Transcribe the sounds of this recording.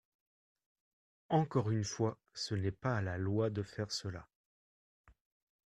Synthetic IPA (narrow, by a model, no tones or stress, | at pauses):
ɑ̃kɔʁynfwa | sənɛpaːlalwad̪əfɛʁsəla̰